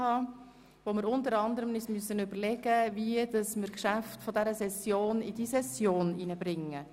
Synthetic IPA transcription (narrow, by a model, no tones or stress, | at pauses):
hɑː | ʋomɪɾʊntəɾɑnd̪əɾəmnysmyəsːənʏbəɾlɛɡ̥əviəd̥ɑsmɪɾkʃæftfodɛɾəsɛsjoːnid̥isɛsjoːninəbɾɪŋːə